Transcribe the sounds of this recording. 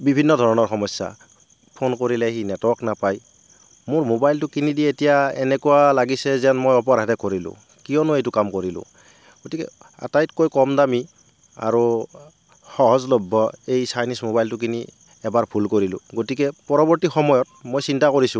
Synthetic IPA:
bibʱinːɔdʱɔɹɔnɔɹxɔmɔsːa̰ | pʰonkoɹilɛɦinɛtɔknapaj | mʊɹmobajltʊkinidietijaɛ̰nɛkuwalaɡisɛzɛnmojɔp̬ɔɾadɛkoɹilʊ̰̃ | kijɔnʊejtʊkamkoɹilʊ̰ | ɡotikɛ̰ | a̰tajtkojkɔmdami | a̰ɹu | xɔɦɔzlɔbʱːɔejsajnismobajltʊk̬ini | ɛbaɹbʰʱulkoɹilʊ̰ɡotikɛpɔɹɔbɔɹtixɔmɔjɔt̚mojsintakoɹisʊ̃

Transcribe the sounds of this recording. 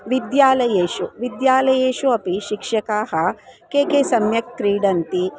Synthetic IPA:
ʋid̪jaːlɐjeːʃuʋid̪jaːlɐjeːʃuɐpiʃikʂɐkaːɦɐ̆keːkeːsɐmjɐk̚tɾiːɖɐnt̪i

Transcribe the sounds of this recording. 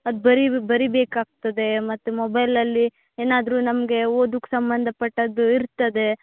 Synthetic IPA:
ɐd̪ubɐɾibɐɾibeːkaːɡ̚t̪ɐd̪e̞mɐt̪ːumɔbɐjlɐlːi | eːnaːd̪ɾuːnɐmɡe̞oːd̪ukːsɐmbɐnd̪ʱɐpɐʈːɐd̪uiɾt̪ɐd̪e̞

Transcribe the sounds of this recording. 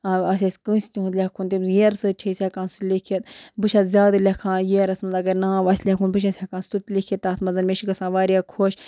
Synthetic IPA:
ɐs̬ʲɐsʲkɨ̃sʲt̪ʲiɦũt̪lʲekʰunt̪imjeɾsɨt͡ʃʰisʲakãːnsut̪ʲlʲikʰit̪bɨʃʰat̪zʲaːd̪ɨɾlʲɐkʰãːjeːɾɐsmɐnd̪ɐɡɐɾnaːʋɐsʲlʲekʰuːnbɨʃ̬asʲhɐkãːnst̪ut̪ʲlʲikʰit̪ːaːt̪ʰmɐzɐnmeʃikɐsãːʋaːɾijakʰoːʃ

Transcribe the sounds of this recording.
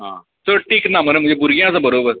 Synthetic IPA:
ɦã̰ | t̪əɾʈiːknamənemə̃d͡ʑebuɾɡjãt͡sabəɾobəɾ

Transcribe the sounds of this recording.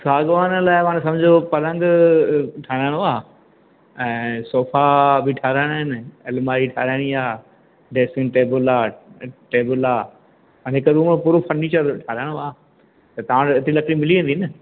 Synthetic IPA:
saːɡʋaːnəlaːɪmãːñs̬ɐ̃md͡ʑʱopɐɾə̃ŋɡ | ʈʰaːɾaːɪɽ̃oaː | ɛ̃ːsoːfʰabʱɪʈʰaːɾaːɽ̃ːɦɪnɪɐlmaːɾiʈʰaːɾaːɽ̃iaː | ɖeːsɪ̃ŋɡʈeːbʊlaːʈeːbʊlaː | ɐ̃ːɦɪkəɾuːmopuːɾofʰɐnːiːt͡ɕəɾʈʰaːɾaːɪɽ̃oaː | t̪ɐt̪ɐʋ̤ãɪt̪ɾilɐkɽimɪliʋẽːnd̪iːnɪ

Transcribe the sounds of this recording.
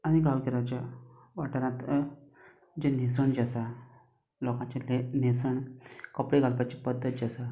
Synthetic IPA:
añiɡaʋkiɾat͡ɕja | ʋaʈəɾãt̪ | d͡ʑenesəɳd͡ʑasa | lɔkãt͡ɕelenesəɳkəpɽeɡalpat͡ɕipəd̪ʱːət̪̚d͡ʑasa

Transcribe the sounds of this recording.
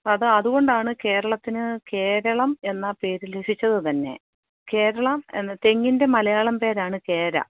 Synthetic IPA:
ɐðɨɐðuɣo̞ɳɖaːɳɨke̞ːɾɐɭɐt̪ːinɨke̞ːɾɐɭɐme̞nːɐpe̞ːɾuleʂit͡ɕːɐðɨt̪ɐnːe̞̰ | ke̞ːɾɐɭɐmḛnːt̪e̞ŋːinde̞mɐlɐjaːɭɐmpe̞ːɾaːɳɨke̞ːɾɐ̰

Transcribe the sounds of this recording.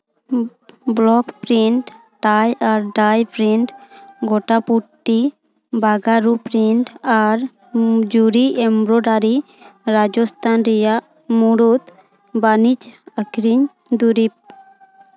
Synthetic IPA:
blɔkpɾiɳʈ | ʈajaɾɖajpɾiɳʈɡɔʈapuʈːi | baɡaɾupɾiɳʈaɾ | d͡ʒuɾiɛmɾɔɖaɾi | ɾad͡ʒɔst̪ʰanɾɛjaʔ | muɽut̪ | banit͡ʃakɾiɲ | d̪uɾip̚

